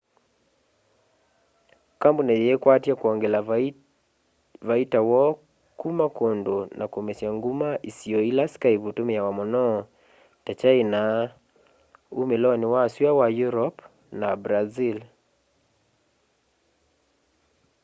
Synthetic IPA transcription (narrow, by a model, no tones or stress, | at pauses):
kambunajɛːkwatjakwɔŋɡɛla | vaitawɔ | kumakondonʔakomɛsjaŋɡumaʔisiɔilaskaivutomɛjawamɔnɔ | tat͡ʃaina | umelɔnɪwasiawajuɾɔp | nabɾazil